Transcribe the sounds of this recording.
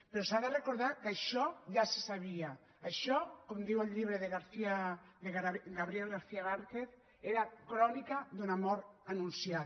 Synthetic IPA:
peɾɔsaðərekoɾðakaʃɔʎase̥saβ̞iaː | ʃɔkomd̪iwəlʎiβɾeðeɣaɾθiad̪eɣɡaβɾiɛlɣaɾθiaβaɾkeθ | eɾakɾɔnikad̪unamɔɾanunsja

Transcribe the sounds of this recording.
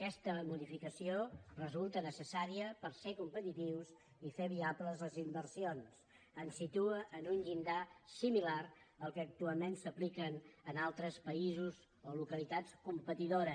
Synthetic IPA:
kɛst̪əmuðifikəsiorəzulˠt̪ənəsəsaɾiəpəɾsekumpət̪it̪iws | ifeβiapləzləzimbəɾsions | ənsit̪uəʔənunʎind̪asimilaɾəlˠkəːk̚t̪ualˠmensəplikənənalˠt̪ɾəspəizuz | olukəlit̪at͡skumpət̪iðoɾə

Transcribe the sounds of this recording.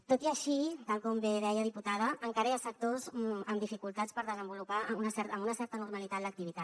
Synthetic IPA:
t̪ot̪iəʃit̪alˠkɔmbeðɛjəðiput̪að̞əːŋkaɾəjasək̚t̪ozəmd̪ifikulˠt̪at͡spəɾðəzəmbulupaunəsɛɾt̪əmunəsɛɾt̪ənuɾmalit̪at̪lək̚t̪iβit̪at̪

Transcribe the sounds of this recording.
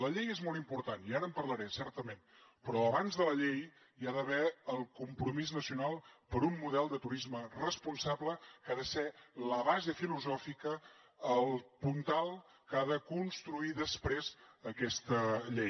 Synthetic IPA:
ləʎejezmɔlˠt̪impuɾt̪aniaɾəmpəɾləɾɛsɛɾt̪əmen | pɾɔəβanzðələʎej | aðəβɛəlˠkumpɾumiznəsiunalˠpəɾumːuðɛlˠd̪ət̪uɾizmərəspunsaβləkaðəseləβazefiluzɔfikəː | lˠpunt̪alˠ | kaðəkunst̪ɾuiðəspɾezəkɛst̪əʎej

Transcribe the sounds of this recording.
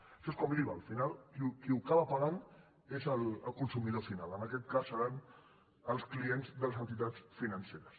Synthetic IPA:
əʃɔeskɔmɾiβaːlˠfinalˠkikiukaβəpəɣan | ezələlˠkunsumiðofinalənəkɛt̪̚kasːəɾan | əlˠsklienzðələzənt̪it̪at͡sfinənseɾəs

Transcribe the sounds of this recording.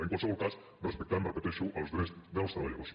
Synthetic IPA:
eŋkwalseβɔɾkas | rrespek̚t̪anrepet̪eʃuʔalozðesðaost̪ɾaβaʎaβos

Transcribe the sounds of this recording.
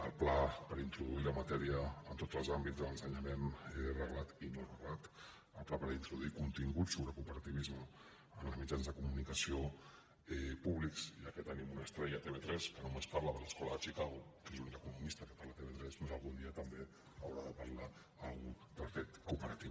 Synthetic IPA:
əlˠplapəɾint̪ɾuðuiləmət̪ɛɾiəːnt̪otd͡zəlˠzambidd͡zðələnsəɲəmenɛrəɣlat̪inorəɣlat̪ | əlˠplapəɾint̪ɾuðuikunt̪iŋɡutsoβɾəkupəɾət̪iβizməː | nləzmid͡ʒanzðəkumunikəsio | ɛpuβliksiəkɛt̪ːənimunəst̪ɾɛjət̪eβet̪ɾɛskənumespaɾləðələskɔləðət͡ʃikaɣukezuninəkunumist̪əkəpaɾlət̪eβet̪ɾɛspmezəlˠɣund̪iət̪əmbe | əwɾaðəpəɾlaː | lˠɣu | d̪əlˠfet̪kupəɾət̪iβ

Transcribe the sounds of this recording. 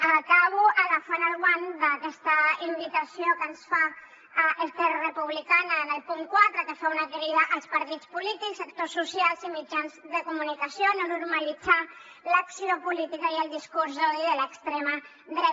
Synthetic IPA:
akaβ̞uəlafanalɣwand̪əkɛst̪əimbit̪əsiokənsfa | est̪erəpuβlikanənəlpuŋkwat̪ɾəkəfaunakəɾiðaʔəlˠspɐɾt̪it͡spulit̪iksək̚t̪osːusialˠzimid͡ʒanzðəkumunikasjononuɾməlid͡za | laksiopulit̪ikəiəlˠd̪iskuɾzoðiðələkst̪ɾema | ðɾɛ

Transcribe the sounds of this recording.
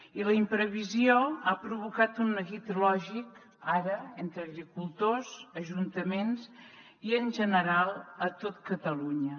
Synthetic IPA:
iləimpɾəβizioapɾuβukat̪unːəɣit̪lɔʒik | aɾəent̪ɾəːɣɾikulˠt̪ozəʒunt̪əmens | iənʒənəɾalˠət̪ot̪kət̪əluɲə

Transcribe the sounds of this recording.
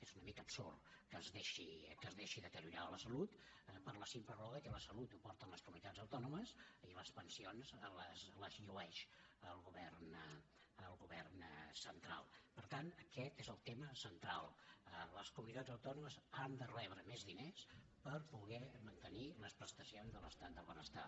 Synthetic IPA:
ezunəmikəbso̰rkəzðeʃikəzðeʃiðət̪əɾjuɾaələsəlut̪ | pəɾləsimplərɔɣəkələsəlut̪upɔɾt̪ənləskumunit̪ad͡zəwt̪ɔnuməsiləspənsionzələzləzʎuɛʃəlˠɣuβɛrn | əlˠɣuβɛrnsənt̪ɾa̰lˠpəɾt̪anəkɛt̪ezəlˠt̪eməsənt̪ɾalˠələskumunit̪ad͡zəwt̪ɔnuməzand̪ərɛβ̞ɾəmɛzðines | pəɾpuɣɛmənt̪əniləspɾəst̪əsionzðələst̪at̪̚d̪əlˠβənəst̪a̰

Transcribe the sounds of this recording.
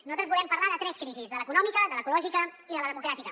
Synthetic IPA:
nuzat̪ɾəzβulɛmpəɾlaðət̪ɾɛskɾizizðələkunɔmikəðələːkulɔʒikə | iðələðəmukɾat̪ikə

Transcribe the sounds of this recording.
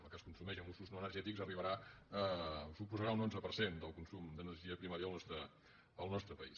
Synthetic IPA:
əkəskunsumɛʒəmusuznoənərʒɛt̪ikzəriβ̞əɾaəsupuzəɾaunonzəpərsend̪əlˠkunsumd̪ənərʒiəpɾimaɾjalˠnɔst̪ɾə | əlˠnɔst̪ɾəpəis

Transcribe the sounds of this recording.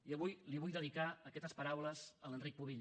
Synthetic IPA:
iəβujliβujðəðikaəkɛt̪əspəɾawləzələnrik̚puβiʎ

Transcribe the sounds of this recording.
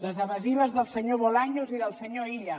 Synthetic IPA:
ləzəβəziβəzðəlˠsəɲoβolaɲoziðəlˠsəɲoiʎə

